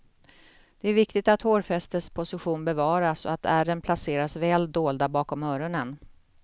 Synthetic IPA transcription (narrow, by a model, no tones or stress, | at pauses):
d̪̥ɛæɾvɪkt̪ɪt̪at̪hoːɾfɛst̪əʂpʰʊsɪɧuːnbɛvɑːɾasɔ̰at̪ʰæɾənpʰlaseːɾasvɛːld̪oːld̪abɑːkɔmœːɾʊnən